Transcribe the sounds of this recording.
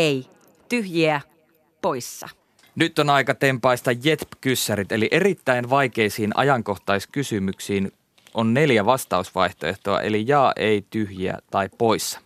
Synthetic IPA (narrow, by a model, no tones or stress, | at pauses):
ei | t̪yhjiæ | poisːɑ̰ | nyt̪ːˑonɑikɑt̪e̞mpɑist̪ɑjet̪pkysːæɾit̪e̞liʔe̞rit̪ːæinʋɑik̟e̞isiːnʔɑ̰jɑŋko̞ht̪ɑiskysymyksiːn | ʔonne̞ljæʋɑst̪ɑusʋɑiht̪oeht̪oɑ̰ʔe̞̰lijɑːʔeit̪yhjiæ̰t̪ɑippːo̞isːɑ̥